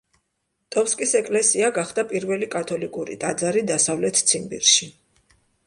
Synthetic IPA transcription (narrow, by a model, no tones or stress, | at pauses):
t̪ʼɔpskʼisɛkʼlɛsiaɡaχd̪apʼiɾvɛlikʼat̪ʰɔlikʼuɾḭt̪ʼad̪zaɾid̪asavlɛt̪ʰt̪sʰimbḭɾʃi